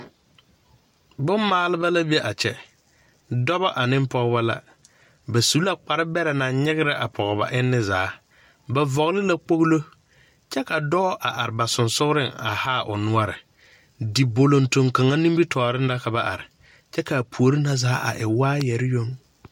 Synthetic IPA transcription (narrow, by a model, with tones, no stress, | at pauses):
bʊ˦mːaː˨˦lɪ˦ba˦la˦bi˦ɛ˦ʔa˨t͡ʃɛ˨ | dɔ˦βa˦ʔa˨nɪ˦mpɔ˦ɣba˦la̰˦ | ba˨su˨˦la˦k͡pa˨ɾɪ˦bɛ˦ɾɛ˨na˨ɲɪ˦ɣɪ˦ɾɪ˦ʔa˨pʰɔ˨ba̰˨ʔɪ˦nːɪ˦zaː˨˦ | ba˨vɔ˨ɣlɪ˦la˦k͡po˦ɣlo˦ | t͡ʃɛ˦ka˨dɔː˦ʔa˨ʔa˨ɾɪ˨ba˨sʊ˨nsʊ˦ɣɾɪ˦ŋa̰˨haː˦˨ʔʊ̰˨nʊ˦a˦ɾɪ˨ | di˨bo˨lo˨nto˨ŋka˨ŋa˦ni˦bi˦tʰɔː˨ɾɪ˦n˦da˦ka˨ba˨ʔa̰˨ɾɪ˨ | t͡ʃɛ˦ka˨pʰu˨o˨ɾi˦na˦zaː˨˦a̰˨ʔɪ˨waː˦jɛ˨ɾɪ˦jo˦ŋ